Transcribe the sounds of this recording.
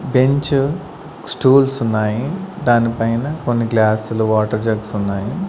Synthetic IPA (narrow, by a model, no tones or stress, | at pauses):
be̞ɲt͡ʃu | sʈuːlsunːaːjid̪aːnipɐjnɐkonːiɡlaːsluʋaːʈɐɾd͡ʒɐɡsunːaːji